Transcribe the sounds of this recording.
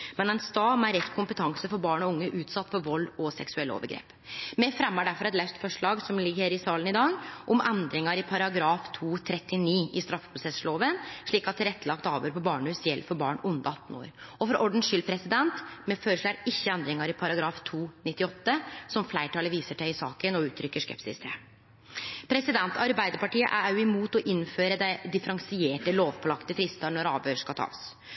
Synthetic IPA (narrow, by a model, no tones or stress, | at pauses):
mɛnɛnst̪ɑːmæɾɛt̪ːkʰʊmpət̪ʰɑŋsəfɔɾbɑːɳɔʊŋːəʔʉːt̪sɑt̪ːfɔɾʋɔlːɔsɛksʉɛlːo̰ːʋəɾɡɾḛːp | mɛfɾɛmːəɖæɾfɔɾɛt̪læʉst̪fɔʂɭɑːɡsɔmlɪɡːəɾɪsɑːlənɪd̪ɑːɡʔɔmʔɛnd̪ɾɪŋɑɾɪpʰɑɾɑɡɾɑːft̪ʰuːt̪ʰɾɛt̪ːɪniːɪst̪ɾɑfːə̥pʰɾʊsɛsɭoːʋənʂɭiːkɑt̪t̪ʰːɪɾɛt̪ːəlɑk̚t̪ɑːʋøːɾpʰɔbɑːɳʉːsjɛlːfɔɾbɑ̰ːɳʔʊnd̪əɑt̪ːn̩o̰ːɾ | ɔfɔɾʔɔɖɳ̩ʂʏlpʰɾɛsɪd̪ɛnt̪mɛføːɾəʂɭæɾɪçːəɛnd̪ɾɪŋɑɾɪpʰɑɾɑɡɾɑːft̪ʰuːnɪt̪ːɪɔt̪ːəsɔmflæɪʈʰɑləʋiːsəʈæɪsɑ̰ːkənɔʉːt̪ʰɾʏkːəʂkɛ̰psɪ̰st̪ə | pʰɾɛsɪd̪ɛnt̪ʰɑɾbæɪd̪əɾpɑʈiːə̰ʔæ̰ɑʉɪmuːt̪ɔʔɪnføːɾəd̪æɪd̪ɪfəɾɑŋsɪeːʈəloːʋpʰɔlɑkt̪əfɾɪst̪ɑɳɔɾɑ̰ːʋøːɾʂkɑlt̪ʰɑ̰ːs